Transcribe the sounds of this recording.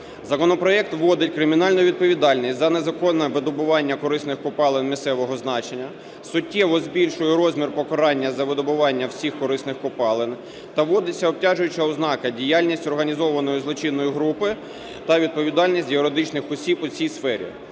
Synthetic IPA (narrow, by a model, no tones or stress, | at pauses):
zɐkɔnɔpɾɔɛk̚t̪ʋːɔd̪ɪtʲkɾɪmʲinɑlʲnɔʋʲid̪̚pɔʋʲid̪ɑlʲnʲisʲtʲzɐnezɐkɔnːɛʋɪd̪ɔbʊʋɑnʲːɐkɔɾɪsnɪxkɔpɑlˠɪnmʲisɛʋɔɦɔznɑt͡ʃenʲːɐ | sʊtʲːɛʋɔzbʲilʲʃʊjʊɾɔzʲmʲirpɔkɔɾɑnʲːɐzɐʋɪd̪ɔbʊʋɑnʲːɐwsʲixkɔɾɪsnɪxkɔpɑlˠɪn | t̪ɐʋɔd̪ɪt͡sʲːɐɔp̚tʲaʒʊjʊt͡ʃɐɔznɑkɐdʲijalʲnʲisʲtʲɔrɦɐnʲizɔʋɐnɔjʊzlˠɔt͡ʃinːɔjiɦɾupɪ | t̪ɐʋʲid̪̚pɔʋʲid̪ɑlʲnʲisʲtʲjeɾed̪ɪt͡ʃnɪxɔsʲipʊt͡sʲijsfɛɾʲḭ